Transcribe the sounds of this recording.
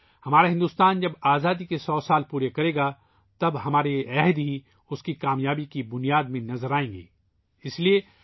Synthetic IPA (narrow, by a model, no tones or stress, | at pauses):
hɐmaːɾeɦɪ̃nd̪uːst̪aːnd͡ʒɐbaːzaːd̪ikesɔːsaːlpuːɾekɐɾeːɡa | t̪ɐbɦɐmaːɾeɛɦd̪ɦi | ʊskikaːmjaːbikibʊnijaːd̪mẽnɐzəɾaːẽːŋɡḛː | ɪslie